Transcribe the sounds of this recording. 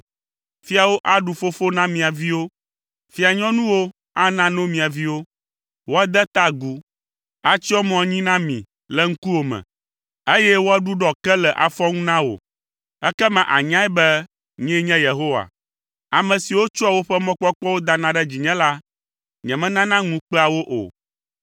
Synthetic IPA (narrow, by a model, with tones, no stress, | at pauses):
fi˦a˨wo˦ʔa˦ɖu˨fo˦fo˦nã˦mĩ˨a˨vi˦wo˦ | fi˦a˨ɲɔ̃˦nũ˦wo˦ | a˦nã˦nõ˦mĩ˨a˨vi˦wo˦ | wo˦a˦d̪ɛ˦t̪a˦ɡu˦ | a˦t͡ɕi˦ɔ˦mɔ̃˨ɲĩ˦nã˦mḭ̃˨ | lɛ˦ŋ̩˦ku˦wo˨mɛ̰̃˨ | e˦jɛ˦wo˦a˦ɖu˦ɖɔ˨kɛ˦lɛ˨ʔa̰˨fɔ˦ŋũ˦nã˦wo̰˨ | ɛ˦kɛ˦mɛ̃˨ʔa̰˨ɲã˦ɛ˦bɛ˦ | ɲɛ̃˦ɲɛ̃˦je˨ɦo˦wa̰˨ | a˨mɛ̃˨si˨wo˦t͡ʃɔ˦a˨wo˦ɸɛ˦mɔ̃˦k͡pɔ˦k͡pɔ˦wo˦d̪a˦nã˦ɖɛ˦d͡ʑi˨ɲɛ̃˦la˦ | ɲɛ̃˨mɛ̃˦nã˦nã˦ŋũ˦k͡pɛ˦a˨wo˦ʔo̰˨